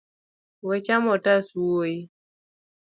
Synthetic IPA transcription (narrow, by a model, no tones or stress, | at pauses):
wet͡ʃamɔtasuwoji